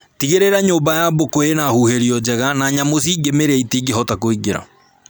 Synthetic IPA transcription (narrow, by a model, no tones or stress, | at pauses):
tiɣeɾeɾaɲoːmbajabokoenahuheɾiɔd͡ʒɛɣanaɲamosiɡemeɾɛitiɡeɦɔtakoiɡeɾa̰